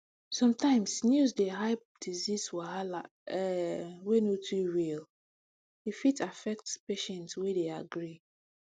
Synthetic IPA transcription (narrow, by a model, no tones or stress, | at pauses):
sɔ̃mtʰãɪ̃msnjuzdeɦaɪp̚d̥izizwɛala | ɛwenotʰuɹil | defitʰafɛk̚tspeʃɛ̃ntswedeaɡɹi